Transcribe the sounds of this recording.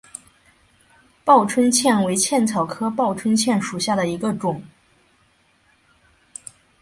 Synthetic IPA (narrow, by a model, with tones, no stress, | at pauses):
pɑ˥˩ʊʈ͡ʂʰwə˥nt͡ɕʰjɛ˥˩nwe˧˥ɪt͡ɕʰjɛ˥˩nt͡sʰɑ˨˩ʊkʰɤ˥pɑ˥˩ʊʈ͡ʂʰwə˥nt͡ɕʰjɛ˥˩nʂu˨˩ɕja˥˩d̪ə˩i˧˥ɡə˧ʈ͡ʂʊ˨˩˦ŋ